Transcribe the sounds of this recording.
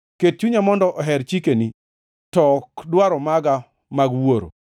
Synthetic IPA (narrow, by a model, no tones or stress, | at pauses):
ket̚t͡ʃuɲamɔndɔʔɔɦɛɾt͡ʃikeni | tɔkdwaɾɔmaɡa | maɡwoɾo̰